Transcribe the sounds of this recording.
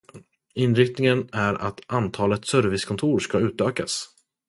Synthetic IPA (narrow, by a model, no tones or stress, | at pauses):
ɪnɾɪkt̪nɪŋənæɾa̰t̪ʔant̪ʰɑːlət̪sœɾvɪskʰɔnt̪ʰuːɾʂkaʉ̟ːt̪øːka̰s